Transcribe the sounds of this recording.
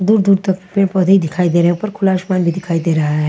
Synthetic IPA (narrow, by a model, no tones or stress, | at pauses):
d̪uɾd̪uɾt̪əkpepɔd̪ʱid̪ɪkʰaid̪eɾeupəɾkʰʊlaʃmanbʱid̪ɪkʰaid̪eɾɐɦaɦɛ